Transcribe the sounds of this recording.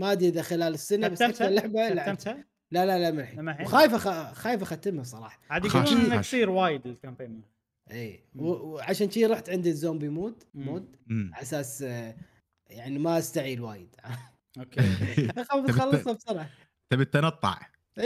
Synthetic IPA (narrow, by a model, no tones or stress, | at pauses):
mad̪iʔd̪axɪlaːlɪsːɪnabasakalːaʕbalaʕ | lalalamɪnħiawxaːjfaxaxaːjfaxat̪ːɪmhasˤɑɾˤɑ̰ːħɑ̥haːd̪inasˤiːɾwaːjɪd̪ɪlkampeːnm | ʔiːwʕaʃaːnʃiːɾˤɑːħt̪ʕɪnd̪izoːmbimuːd̪muːd̪ | ʔasaːs | jaʕnimaʔast̪aʕiːlwaːjɪd̪ʕa | okxafɑlːɨsˤɑbsˤɑɾˤʕɑ | t̪abɪt̪ːanɑt̪ˤːɑ̰ʕ